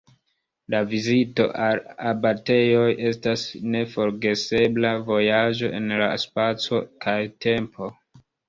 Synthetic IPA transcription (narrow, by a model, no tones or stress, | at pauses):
lavizito̞̰ʔalabate̞jo̞je̞stasne̞fo̞ɾɡe̞se̞blavo̞jad͡ʒo̞ʔe̞nla̰spat͡so̞kajtʰe̞mpʰo̞